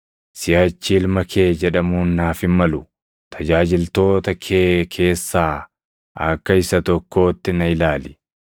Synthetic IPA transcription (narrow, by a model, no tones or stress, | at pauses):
sɪjaːt͡ʃːiːlmɐkʰe̞ːd͡ʒɛᶑɐmuːnːaːfɪnmɐlʊ | t̪ʰɐd͡ʒaːd͡ʒɪlt̪o̞ːt̪ɐkʰeːkʰe̞ːsːaː | ɐkːɐɪsɐt̪ɔkːo̞ːt̪ːɪnɐɪlaːlɪ̥